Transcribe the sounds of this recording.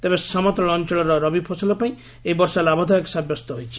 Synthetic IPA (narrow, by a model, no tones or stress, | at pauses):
t̪ebesɔmɔt̪ɔɭɔnt͡ʃɔɭɔɾɔɾɔbibpʰɔsɔlɔpaĩ | eibɔɾsalabʱɔd̪ʱɔjɔksabjɔst̪ɔɦojt͡ʃʰi̥